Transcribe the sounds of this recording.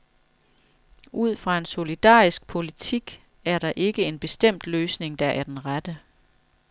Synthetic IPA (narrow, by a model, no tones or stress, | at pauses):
ʔuð̞̰ˠfʁɑ̈e̝nso̝lid̥ɑ̰̈ːisɡ̥̚pʰo̝lit͡sʰiɡ̥ | æɐɾ̥ɑ̈ʔe̝ɡ̥əe̝nb̥e̝sd̥em̰d̥løːsne̝ŋd̥ɑ̈ʔæɐd̥enʁad̥ə